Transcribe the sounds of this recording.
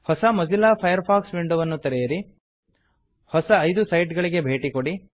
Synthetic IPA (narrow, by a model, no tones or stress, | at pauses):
hɔsɐmɐzilaːpʰɐjɐɾpʰaːksʋiɳɖuʋɐnːut̪ɛɾɛjɐɾi | hɔsɐːjd̪usɐjʈɡɐɭiɡe̞bʱeːʈikoɽi